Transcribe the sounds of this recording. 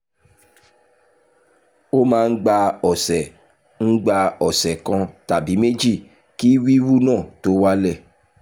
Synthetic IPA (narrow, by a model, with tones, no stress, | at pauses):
o˦mãː˦˧n̩˦ɡ͡ba˧ɔ˨sɛ˨ | ŋ̩˦ɡ͡ba˧ɔ˨sɛ˨kɔ̃˧ta˨bi˨˦me˦d͡ʒi˦˨ | ki˦wi˦wu˦nãː˦˨to˦wa˦lɛ˦˨